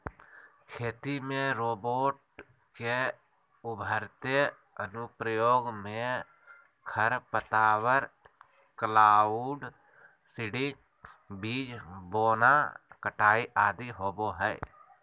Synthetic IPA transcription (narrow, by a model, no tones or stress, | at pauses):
kʰeːt̪imẽɾoːboːʈ | ke | ʊbʱəɾt̪e | ənʊpɾəjoːɡmẽ | kʰəɾpət̪aːwəɾ | klaːuɖ | sɪɽi | biːd͡ʒboːnakəʈaːiʔaːd̪iɦoːboɦɛː